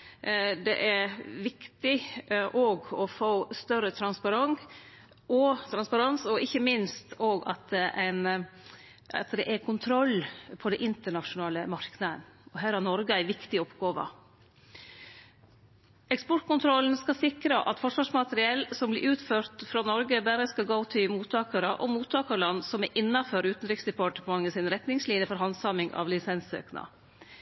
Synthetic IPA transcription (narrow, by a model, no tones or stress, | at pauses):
d̪ɛ̰ʔæɾʋɪkt̪ɪʔoːɡɔfoːst̪œɾət̪ʰɾɑnspɑɾɑŋ | ʔɔt̪ʰɾɑnspɑɾɑnsɔɪçːəmɪnst̪oːɡɑ̰t̪̚ʔæɪn | ɑ̰t̪d̪ɛʔækʰʊnt̪ʰɾɔlːpʰɔd̪ɛʔɪnt̪əɳɑʂʊnɑːləmɑɾknəd̪ənɔɦæːɾhɑɾnɔɾɡəæɪʋɪkt̪ɪɔpɡɑːʋə̰ | ɛkspɔʈkʊnt̪ʰɾɔln̩skɑsɪkɾəʔɑt̪fɔʂʋɑːʂmɑt̪əɾɪɛlsɔmblɪʔʉːt̪føːɾt̪fɾɑnɔɾɡəbæɾəskɑɡoːt̪ʰɪlmuːt̪ʰɑːkɑɾəʔɔmuːt̪ʰːɑːkɑɾɭɑnːsɔmɛʔɪnːɑføɾʉːt̪n̩ɾɪksd̪ɛpʰɑʈəpʰɔmɑŋːəsinɾɛt̪nɪŋsliːnjəfɔɾɦɑnsɑmɪŋʔɑ̰ʋlɪsɛnsø̰ːknɑ̰